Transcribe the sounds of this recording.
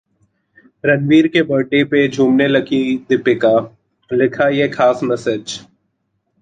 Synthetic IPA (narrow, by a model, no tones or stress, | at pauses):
ɾɐnʋiːɾkebɐɾʈeped͡ʒʱuːmnelɐɡʰid̪ɪpɪka | lɪkʰajexʰaːsmɛsed͡ʒ